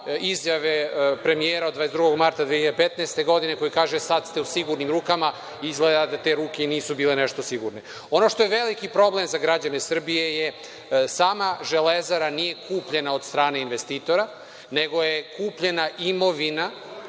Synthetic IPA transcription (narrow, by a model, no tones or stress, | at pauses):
izjaʋepɾe̞mijeːɾaod̪vaːesd̪ɾuɡo̞ɡmaɾt̪ad̪ʋeçiʎad̪epet̪neest̪eɡo̞d̪inekojikaːʒesad̪st̪eusiɡuɾnimɾuːkama | izɡled̪ad̪at̪e̞ːɾuːkeniːsubiːleneʃt̪o̞siɡṵɾne̞ | o̞noʃt̪ojeʋelikipɾo̞ble̞mzaɡɾad͡ʑanesr̩bije̞je | saːmaʒelezaɾanije̞kuːpʎe̞nao̞d̪st̪ɾaːne̞inʋest̪iːt̪o̞ɾa | ne̞ɡo̞jekuːpʎe̞naʔimo̞ʋina